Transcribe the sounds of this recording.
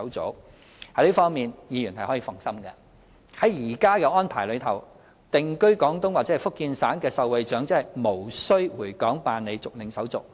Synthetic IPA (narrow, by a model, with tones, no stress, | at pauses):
wt͡so̰˨˥w | hɐ˨˥jliː˥fɔː˥ŋmiː˨njiː˨˧jyː˨˩nhɐ˨jhɔː˨˥jiː˧fʊ˨ŋsɐ˥mkɛː˧ | hɐ˨˥jjiː˨˩kaː˥kɛ˧ɔː˥npʰaː˨˩jlɵ˨˧ɥt̪ʰɐ˨˩w | t̪ɪ˨ŋkɵ˥ɥkɔː˨˥ŋt̪ʊ˥ŋwaː˨t͡sɛ˨˥˨jfʊ˥kːiː˧nsaː˨˥nkɛː˧sɐ˨˧wwɐ˨˧jt͡ʃœː˨˥ŋt͡sːhɐ˨˩jmo˨˩wsɵ˥ɥwuː˨˩kɔː˨˥ŋpaː˨nle˨˧jt͡sʊ˨k̚lɪ˨˧ŋsɐ˨˥wt͡sʊ˨k̚